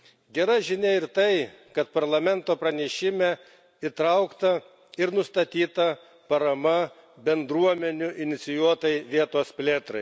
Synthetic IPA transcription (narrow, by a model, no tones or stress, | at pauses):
ɡʲɛɾɐʒʲɪnʲeɪɾt̪ɐɪ | kɐt̪̚pɐɾlˠɐmʲɛnt̪oːpɾɐnʲɛʃʲɪmʲɛ | ɪt̪ɾɐʊkt̪ɐ | ɪɾnʊst̪ɐt̪ʲiːt̪ɐ | pɐɾɐmɐ | bʲɛnd̪ɾuɔmʲɛnʲʊʔɪnʲɪt̪sʲɪjuɔt̪ɐɪʋʲiɛt̪oːspʲlʲeːt̪ɾɐɪ